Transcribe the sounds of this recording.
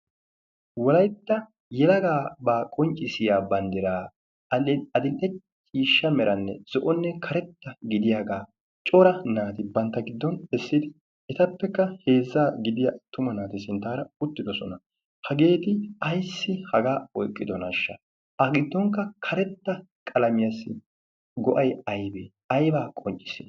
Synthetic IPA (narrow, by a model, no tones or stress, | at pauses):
wɔlɐjt̪ːɐ | jɛlɐɡaːbaːkʼɔnt͡ʃʼːɪsɪjaːbɐnd̪ɪɾaː | ɐɐd̪ɪlʔɛ | t͡ʃʼiːʃːɐmɛɾʔɐnːɛ̰z̥ɔʔɔnːɛkʰɐɾɛt̪ːɐɡɪd̪ɪjaɡaː | t͡ʃʼɔɾɐnaːt̪ɪbɐnt̪ːɐɡɪd̪ːɔnɛsːɪd̪ɪ | ɛt̪ɐpːɛkːɐhe̞ːzːaːɡɪd̪ɪjat̪ːʊmɐnaːt̪ɪsɪnt̪aːɾɐʊt̪ːɪd̪ɔsɔnɐ | hɐɡe̞ːt̪ɪɐjsːɪhɐɡaːɔjkʼːɪd̪ɔnɐʃːɐ | ʔɐɡɪd̪ːɔŋkːɐkʰɐɾɛt̪ːɐ | kʼɐlɐmɪjɐsːɪ | ɡɔʔɐjɐjbeː | ɐjbaːkʼɔnt͡ʃʼːɪ̥sɪ